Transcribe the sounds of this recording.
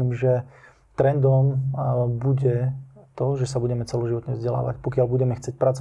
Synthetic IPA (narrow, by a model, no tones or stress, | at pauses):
imʒɛ | t̪ɾɛnd̪ɔmbuɟɛt̪ɔʒɛsabuɟɛmɛt͡sɛlɔʒiʋɔt̪ɲɛvzɟɛla̰ːʋa̰cpɔkɪalbuɟɛmɛxt͡sɪɛc̚pɾat͡sɔ